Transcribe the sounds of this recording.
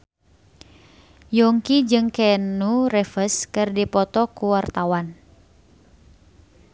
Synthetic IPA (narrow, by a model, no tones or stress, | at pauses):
jɔŋkid͡ʒɨŋkɛnurɛfəskɨrdipɔt̪ɔkuwart̪awan